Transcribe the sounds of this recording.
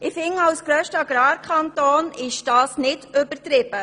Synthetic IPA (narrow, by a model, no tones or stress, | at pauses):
ɪfɪŋɑwsɡ̥ɾœːʃtəɑɡ̥ɾɑːɾkʰχɑnt̪oːnɪʃd̥ɑːsnɪdɵbəɾtɾɪb̥ə